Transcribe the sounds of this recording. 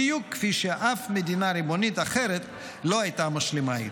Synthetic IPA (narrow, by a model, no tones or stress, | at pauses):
jukːfiʃeʔafmed̪inaɾibonit̪aχeɾet̪ | lo̞ajt̪amaʃlimai